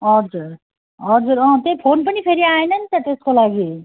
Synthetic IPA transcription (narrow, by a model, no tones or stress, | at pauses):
ʌɾd͡zuɾ | ʌɾd͡zuɾʌɦʌ̃t̪epʰoːnpənipʰeɾiaenɐnt̪at̪eskolaɡi